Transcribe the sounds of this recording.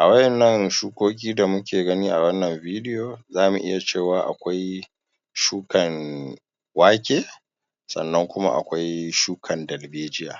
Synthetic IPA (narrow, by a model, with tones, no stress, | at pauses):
ʔa˨wɐ˦ʔɛ˨nːɐ˦ŋʃuː˦kʷoː˦k̬ʲiː˦da˨mʊ˦kʲeː˨ɡɐ˦niː˦ʔa˨wɐ˦nːɐ˨mviː˦dɪ˦joː˨zaː˦mṵ˨ʔɪ̰˦ja˨t͡ʃeː˦˨waː˨ʔa̰˨kʷa˦j | ʃuː˦kɐ˨n | waː˦kʲeː˦ | sɐ̰˨nːɐ˦ŋkʷʊ˦ma̰˦ʔa̰˨kʷa˦jʃuː˦kʰɐ˨ndɐ˨lbeː˦d͡ʒɪ˦ja̰ː˨